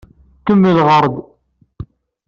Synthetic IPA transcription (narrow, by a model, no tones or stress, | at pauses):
kəmːiðʁəɾˤd̪